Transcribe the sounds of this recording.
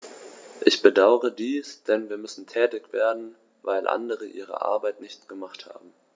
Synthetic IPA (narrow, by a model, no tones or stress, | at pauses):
ʔɪçb̥ədaʊəʁədiːsd̥ɛnviːɐmʏsn̩tʰɛːtɪçv̥eːɐdn̩ | vaɪlʔa̰ndəʁəʔḭːʁ̞ə̰ʔa̰ɐbaɪtnɪçtɡ̥əmaχtha̰ːbm̩